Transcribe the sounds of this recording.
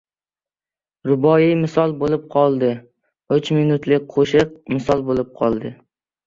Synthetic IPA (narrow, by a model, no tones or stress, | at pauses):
ɾʊbɒjimɪsɒlˠbolɪp̚qʰɒlˠd̪ɪ | ʊt͡ʃminʊt̪lɪk̚ʲqʰoʃɪq̚mɪsɒlˠbolɪp̚qʰɒ̰lˠd̪ɪ